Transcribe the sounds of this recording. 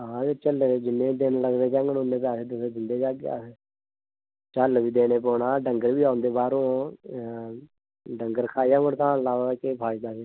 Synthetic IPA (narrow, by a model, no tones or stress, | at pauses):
ɦãːet͡ʃəld͡ʒɪnːẽːd̪ɪnləɡd̪eːd͡ʒɛ̃ːŋɡənõnd̪eːpaːseːt̪̬ʊseːd̪ɪnd̪eːd͡ʒaːɡea̰ːs | t͡ʃəlʋiːd̪eːneːpɔːnaːɖəŋɡəɾʋiːaːnd̪eːbaːɾõː | ɖəŋɡəɾkʰaːijãːɡəɽt̪aãːlaːʋakepʰaːid̪aːseː